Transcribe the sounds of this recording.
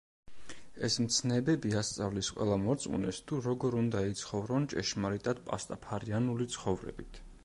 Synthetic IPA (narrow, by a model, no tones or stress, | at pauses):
ɛsmt̪sʰnɛbɛbiast̪sʼavlisqʼwɛ̰lˠamɔɾt̪sʼṵnɛst̪ʰuɾɔɡɔɾund̪ait̪sʰχɔvɾɔnt͡ʃʼɛʃmaɾit̪ʼad̪̥̚pʼa̰st̪ʼapʰaɾianulit̪sʰχɔvɾɛ̰bit̪ʰ